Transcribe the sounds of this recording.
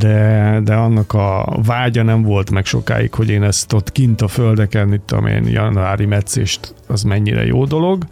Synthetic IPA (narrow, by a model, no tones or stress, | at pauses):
d̪ɛd̪ɛɒnːɒkɒvaːɟɒnɛɱvo̞lt̪mɛkʃo̞̰ka̰ːjḭkho̞ɟeːnɛst̪ot̪kint̪ɒføld̪ɛkɛnit̪ːo̰mḛːnjɒ̰nuaːɾimɛt̪seːʃt̪ɒzmɛɲːiɾɛ̰jo̰ːd̪o̞lo̞ɡ